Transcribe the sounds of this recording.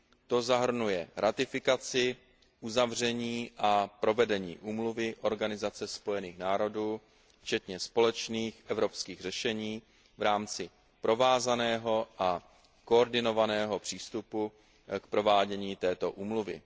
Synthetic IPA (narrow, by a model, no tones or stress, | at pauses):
t̪o̞zaɦr̩nujɛɾat̪ɪfɪkat͡sɪ | ʔuzavr̝ɛɲiːʔapɾo̞vɛdɛɲḭːʔuːmluvɪʔo̞ɾɡanɪzat͡sɛspo̞jɛniːxnaːɾo̞duː | ft͡ʃɛt̪ɲɛspo̞lɛt͡ʃniːxʔɛvɾo̞pskiːɣrɛʃɛɲiː | vɾaːmt͡sɪ | pɾo̞vaːzanɛːɦo̞ʔa | ko̞ːɾdɪno̞vanɛːɦo̞pr̝̥iːst̪upu | kpɾovaːɟɛɲiːt̪ɛːt̪o̞ʔuːmluvɪ̰